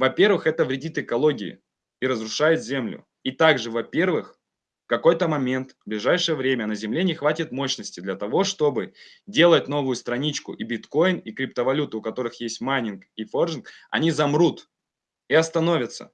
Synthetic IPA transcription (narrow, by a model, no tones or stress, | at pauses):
vɐpʲe̞rvɨxɛt̪əvɾʲɪdʲit̪ɨkɐlˠo̞ɡʲɪɪ̰ | iɾəzɾʊʂajʊt̪zʲe̞mlʲʊ̰ | it̪aɡʐɨvɐpʲe̞rvɨx | fkɐko̞jt̪əmɐmʲe̞nt̪vblʲɪʐajʂɨjəvɾʲemʲənəzʲɪmlʲenʲɪxvatʲɪt̪mo̞ɕnəsʲtʲɪd̪lʲɐt̪ɐvo̞ʂt̪o̞bɨ | dʲe̞lˠət̚ʲno̞vʊjʊst̪ɾɐnʲit͡ɕkʊ̰ʔibʲɪt̪ko̞jɪnikɾʲɪp̚t̪əvɐlʲut̪ɨːkɐt̪o̞ɾɨxjesʲtʲmanʲɪnkifo̞rʒʲɪnkɐ̰nʲizɐmɾut̪ | iɐst̪ɐno̞vʲət̪sə̰